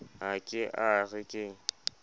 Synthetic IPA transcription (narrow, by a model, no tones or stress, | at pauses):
akʼɪʔaɣɪkʼɪ